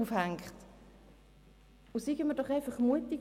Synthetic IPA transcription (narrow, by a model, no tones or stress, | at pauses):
ufhæŋkχt | ʊsiɡəmədɔχaɪfɑχmuətik